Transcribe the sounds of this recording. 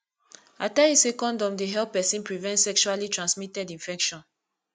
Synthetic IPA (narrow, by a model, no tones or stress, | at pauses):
ataisekɔ̃ndɔ̃mdeɦɛlppːɛsĩnpɹivɛ̃ntsɛkʃualitɹãnsmitɛdĩnfɛkʃɔ̃n